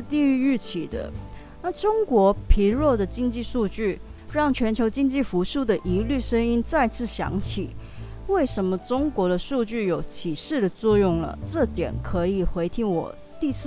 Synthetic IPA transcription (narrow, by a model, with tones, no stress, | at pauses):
t̪i˥˧ŋy˥˧y˥˩t͡ɕʰi˨˩d̪ə̰˦ | na˥˩ʈ͡ʂʊ˥ŋkwɔ˧˥pʰi˧˥ɻwɔ˥˩d̪ə˩t͡ɕi˥ŋt͡ɕi˥˧ʂu˥˧t͡ɕy˥˩ | ɻɑ˥˩ŋt͡ɕʰɥɛ˧˥nt͡ɕʰjo˧˥ʊt͡ɕi˥ŋt͡ɕi˥˩fu˧˥ʂu˥˩d̪ə˩ʔi˧˥ly˥˩ʂə˥ŋi˥nt͡sa˥˧ɪt͡sʰɹ̩˥˩ɕjɑ̰˧˥ŋt͡ɕʰi˨˩˦ | we˥˩ɪʂə˧˥nmə˧ʈ͡ʂʊ˥ŋkwɔ˧˥ɾə˧ʂu˥˧t͡ɕy˥˩jo˨˩ʊt͡ɕʰi˨˩ʂɻ̩˥˩d̪ə˩t͡swɔ˥˧jʊ˥˩ŋlə̰˩ʈ͡ʂɤ˥˩t̪jɛ̰˨˩˦nkʰɤ˧˥i˨˩xwe˧˥ɪt̪ʰi˧˥ŋwɔ̰˨˩ | t̪i˥˧s